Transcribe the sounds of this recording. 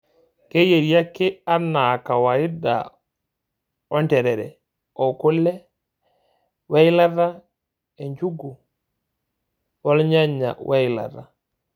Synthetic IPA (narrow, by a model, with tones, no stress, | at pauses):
ke˦je˨ɾja˦kɪ˦a˦na˨ka˨wa˨ɪ˦da̰˨ | ɔ˦ntɛ˨ɾɛ˨ɾɛ̰˨ | ɔ˨ko˦lɛ˦ | wa˦ɪ˦la˦ða˦ | e˨ɲd͡ʒu˦ɡu˨ | wɔ˦lɲa˦ɲa̰˨wʔa˦ɪ˨la̰˨ɾa˨